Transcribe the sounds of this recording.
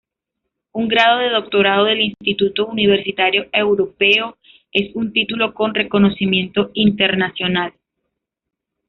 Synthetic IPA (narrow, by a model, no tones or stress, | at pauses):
uŋɡɾað̞o̞ðe̞ðo̞k̚t̪o̞ɾað̞oðe̞linstt̪it̪ut̪ouniβ̞e̞ɾsit̪aɾjo̞e̞wɾo̞pe̞o | e̞sunt̪it̪ulo̞ko̞nre̞ko̞no̞simjẽ̞nt̪o̞int̪e̞ɾnasjo̞nal